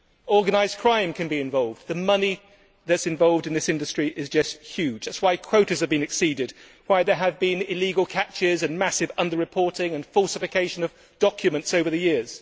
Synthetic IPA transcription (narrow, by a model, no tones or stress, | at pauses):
ɔɹɡɨnaɪzkʰɹ̥ãɪ̃mkʰɨ̃nbiɨ̃ɱvɑlˠvðɨmʌni | ðɨtsɨ̃ɱvɑlˠvdɨ̃nðɪsɪ̃ndɨstɹ̥iʔɪzd͡ʒʌsthj̥ʉ̥d͡ʒðætswaɪkʰw̥oʊɾɨ˞z̥ɨvbɨ̃nɨksidɪd̚ | waɪðə˞əvbɪ̃nɪliɡəl̩ˠkʰæt͡ʃɪzɨ̃nmæsɨvʌ̃ndə˞ɹɨpʰɔɹɾɪ̃ŋɨ̃nfɔlˠsɨfɨkʰeɪʃɨ̃nʌv̥ | d̥ɑkʰjɨmɨ̃ntsoʊvə˞ðɨjɪɹz̥